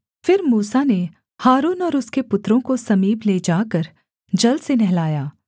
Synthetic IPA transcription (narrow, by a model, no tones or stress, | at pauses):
fɪɾmuːsane | haːɾuːnɔːɾʊskepʊt̪ɾõkosɐmiːbled͡ʒaːkəɾ | d͡ʒɐlsenɛɦlaːjaː